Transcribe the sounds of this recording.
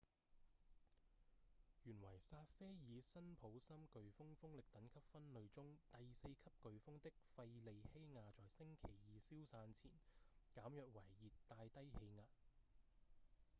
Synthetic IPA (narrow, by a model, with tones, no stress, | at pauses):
jyː˨˩nwɐ˨˩jsaː˧t̚fɛː˥jiː˨˧sɐ˥npʰo˨˥wsɐ˥mkɵ˨ɥfʊ˥ŋfʊ˥ŋlɪ˨k̚t̪ɐ˨˥nkʰɐ˥p̚fɐ˥nlɵ˨˧ɥt͡sʊ˥ŋt̪ɐ˨jse˧jkʰɐ˥p̚kɵ˨ɥfʊ˥ŋt̪ɪ˥k̚fɐ˧jle˨jhe˥jŋaː˧t͡sɔː˨jsɪ˥ŋkʰe˨˩jjiː˨˧siː˥wsaː˧nt͡sʰḭː˨˩nkaː˨˥mjœː˨k̚wɐ˨˩jːiː˨t̪ːaː˧jt̪ɐ˥jhe˨˧jŋaː˨t̚